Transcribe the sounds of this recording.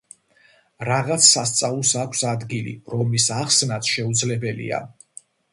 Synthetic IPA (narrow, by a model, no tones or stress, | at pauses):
ɾaʁat̪sʰsːast̪sʼavlˠsakʷʰsad̪ɡilḭɾɔmisaχsnat̪ʰʃɛud̪zlɛbɛlḭa̰